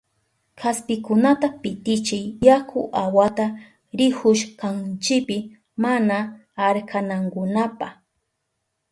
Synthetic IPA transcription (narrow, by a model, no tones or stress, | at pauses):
kʰaspɪkʊnat̪apɪt̪ɪt͡ʃɪjjakʰʊʔawat̪a | ɾɪhʊʃkant͡ʃɪpɪ | mana | aɾkʰanaŋkʊnapax